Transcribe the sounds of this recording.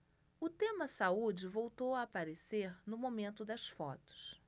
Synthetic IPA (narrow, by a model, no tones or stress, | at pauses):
ʊt̪ẽmɐsaud͡ʒɪvowt̪owɐːpaɾeseɾnʊmomẽnt̪ʊd̪ɐsfɔ̰t̪ʊ̥s